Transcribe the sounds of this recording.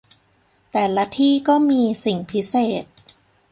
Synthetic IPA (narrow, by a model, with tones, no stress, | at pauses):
t̪ɛː˨˩la˦˥t̪ʰiː˥˩kɔː˥˩miː˧si˨˩ŋpʰi˦˥seː˨˩t̪̚